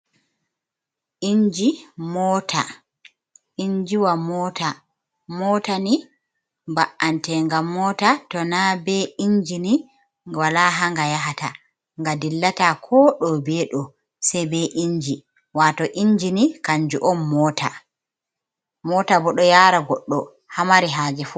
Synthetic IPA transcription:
ʔiɲd͡ʒimɔːtʰa̰ | iɲd͡ʒiwamɔta | mɔːtani | mbaʔantɛŋɡamːɔtatɔnabɛiɲd͡ʒini | walaɦaŋɡajaɦata̰ | ŋɡadilːatakʰɔɗɔbɛɗɔ | sɛjbɛʔiɲd͡ʒi | watɔʔiɲd͡ʒinikaɲd͡ʒuʔɔmːɔːtʰa̰ | mɔːtabɔɗɔjaːɾaɡɔɗːɔ | hamaɾiɦaːd͡ʒɛfu

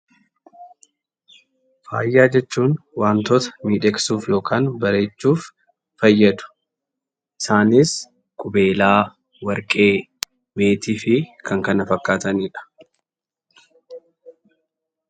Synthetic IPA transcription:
fa̰ːjːaːd͡ʒɛt͡ʃːuːnwaːnt̪oːt̪ɐ̥miːᶑɛksuːfjo̞ːkaːnbɐɾe̞ːt͡ʃːuːfː | ɐjːɐd̪ʊ̥ | ʔɪsaːnɪs | kʼʊbe̞ːlaː | wɐɾkʼe̞ː | be̞ːt̪iːfɪkʰɐŋkɐnɐfɐkːaːt̪ɐniːᶑɐ̥

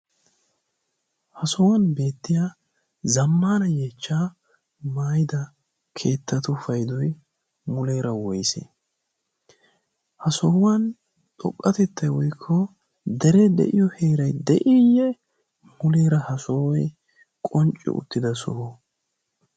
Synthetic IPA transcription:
hɐsɔwɐnbe̞ːt̪ːɪjaː | zɐmːaːnɐjeːt͡ʃːaː | maːjɪd̪ɐ | kʰe̞ːt̪ːɐt̪ʊfɐjd̪ɔj | mʊle̞ːɾɐwɔjsḛ | hɐsɔwɐn | t̪ʼɔ̰kʼːɐt̪ɛt̪ʰːɐjwɔjkʰːɔ | d̪ɛɾɛd̪ɛ̰ʔɪjɔheːɾɐjd̪ɛʔɪjɛ | mʊle̞ːɾɐhɐsoːwɔj | kʼɔnt͡ʃʼːɪ̰ʔʊ̰t̪ːɪd̪ɐsʊ̰hɔ

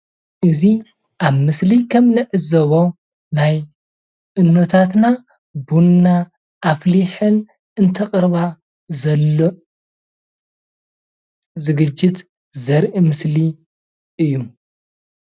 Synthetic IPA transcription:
ʔɨzi | ʔaβmɨslikʰɐmnɨʕɨzɐβo | naj | ʔɨnːot̪ʰat̪na | bunːa | ʔːfliħɨn | ɨnt̪ʰɐqʼɨɾβa | zɐlo | zɨɡɨd͡ʒːɪt̪ | zɐɾʔimɨsli | ʔɨjːu

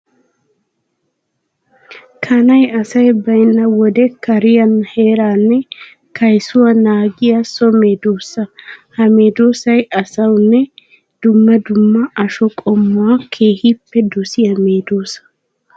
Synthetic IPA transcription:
kʰɐnɐjɐsɐjbɐjnːɐwɔd̪ɛkɐɾɪjɐnhe̞ːɾaːnːɛ | kɐjsʊwɐnaːɡɪjɐsɔmeːd̪oːsːɐhɐmeːd̪oːsɐjɐsɐwnːɛ | d̪̥ʊmːɐd̪ʊmːɐʔɐʃɔkʼɔmːʊwakʰeːhipːɛd̪ʊsɪjɐmeːd̪oːsɐ̥

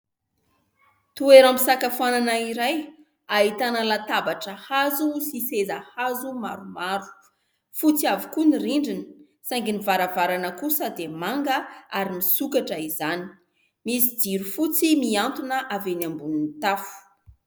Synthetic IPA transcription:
t̪ueɾamisakafananaiɾaj | ait̪anəlat̪abaʈ͡ʂəhazusisezahazuma̰ɾumaɾu̥ | fut͡siavukuniriɳɖ͡ʐinə̥ | saŋɡinivaɾavaɾanəkusəd̪emaŋɡəaɾimisukaʈ͡ʂəizani̥ | misid͡ziɾufut͡simiant̪unəʔavenambununit̪afu̥

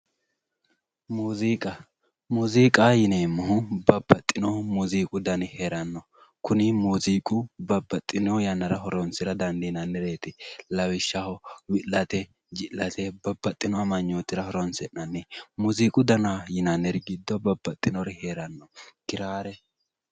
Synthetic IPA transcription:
muziːkʼɐ | muziːkʼajɪneːmːɔɦʊbɐbːɐt̪ʼːɪnɔmuziːkʼʊd̪ɐnɪheɾɐnːɔ | kʰʊnɪmuːziːkʼʊbɐbːɐt̪ʼːɪnɔjɐnːɐɾɐɦɔɾɔnsɪɾɐd̪ɐnd̪ɛɪnɐnːɛɾeːt̪ɪlɐwɪʃːɐhɔwɪlːɐt̪ɛ | d͡ʒɪlːɐt̪ɛbɐbːɐt̪ʼːɪnɔɐmɐɲːoːt̪ːɪɾɐhɔɾɔnsɛnːɐnːɛmuziːkʼʊd̪ɐnajɪnɐnːɛɾɪɡɪd̪ːɔbɐbːɐt̪ʼːɪnɔɾɛheːɾɐnːɔkɪɾaːɾɛ

